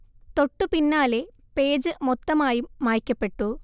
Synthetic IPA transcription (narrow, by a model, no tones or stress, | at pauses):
t̪o̞ʈːupinːaːle̞ | pe̞ːd͡ʑɨmɔt̪ːɐmaːjumːaːjikʲːɐpːe̞ʈːu